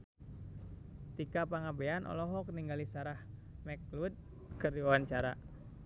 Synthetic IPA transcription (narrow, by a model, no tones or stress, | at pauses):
t̪ikapaŋabɛanʔɔ̰lɔɦɔk̚niŋɡalisaɾahmɛk̚lud̪̚ | kɨriwawaɲt͡ʃaɾa